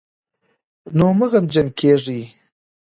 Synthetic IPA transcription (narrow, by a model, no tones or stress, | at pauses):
noməɣamd͡ʒənkʰeʐi